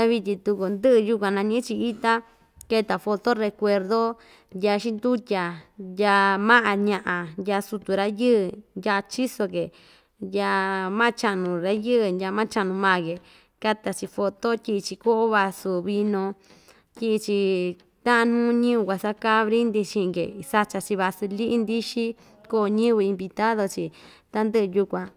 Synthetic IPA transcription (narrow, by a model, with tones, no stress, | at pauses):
a˦βi˧t̪ʲĩ˧t̪u˧ku˨nd̪ɨ˦ɨ˧ju˦kʷã˧nã˧ɲĩ˦t͡ʃi˧i˦t̪a˦ | ke˧t̪a˨fo˧t̪o˦re˧kʷe˧ɾðo˦ | ja˧ʃi˦nd̪u˦t̪ʲa˨ja˧mã˦ʔã˧ɲã˧ʔã˨ja˧su˧t̪u˨ɾa˦jɨ˦˧ja˧t͡ʃi˦so˧ke˨ | ja˧mã˦t͡ʃa˧nũ˨ɾa˦jɨ˦ʔnjʲa˧mã˦t͡ʃa˧nũ˧mãː˦˨ke˨ | ka˦t̪a˧t͡ʃi˧fo˧t̪o˦tʲi˧t͡ʃi˧ko˦ʔo˦βa˧su˧βi˧nõ˧ | tʲi˧ʔt͡ʃi˧ | t̪ã˦ʔã˧n̥ũː˦ɲĩ˦u˧kʷa˧sa˦ka˦βɾi˦nd̪i˧t͡ʃĩ˧kḛ˨sa˧t͡ʃa˧t͡ʃi˧βa˧su˧li˦ʔi˦nd̪i˦ʃi˦ | ko˦˧ɲĩ˦βɨ˧i˧mbi˧t̪a˦ðo˧t͡ʃi˧ | t̪a˦nd̪ɨ˦ʔɨ˧ju˧kʷã˧